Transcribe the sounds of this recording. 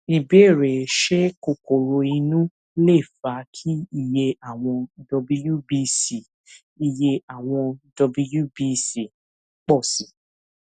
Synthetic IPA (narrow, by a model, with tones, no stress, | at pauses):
i˨be˦˨ɾe˨ʃɛ˦ko˨ko˨ɾo˧i˧nũ˦ | le˦˨fa˨˦kʰi˦i˦˨je˧a˨w̃ɔ̃˧dɔ˧bi˦ju˦bi˦si˨ | i˨je˧a˨w̃ɔ̃˧dɔ˧bi˦˧˦ju˦bi˦si˨ | k͡pɔ˦˨si˨˦